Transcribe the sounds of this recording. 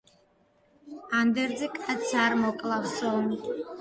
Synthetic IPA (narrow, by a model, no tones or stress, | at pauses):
and̪erd͡zɨkʼat͡sʰarmokʼlabsonʼ